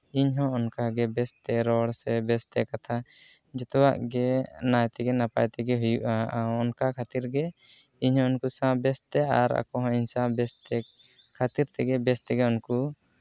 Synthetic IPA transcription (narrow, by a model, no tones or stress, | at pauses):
iɲɦɔ̃ɔnkaɡɛbɛst̪ɛɾɔɽsɛbɛst̪ɛkat̪ʰa | d͡ʒɛt̪ɔwa̰ʔɡɛnajt̪ɛɡɛnapajt̪ɛɡɛɦujuʔaʔaɔnkakʰat̪iɾɡɛ | iɲhɔ̃ɔnkusãbɛst̪ɛaɾa̰kɔɦɔ̃iɲsãbɛst̪ɛkʰːat̪iɾt̪ɛɡɛbɛst̪ɛɡɛunku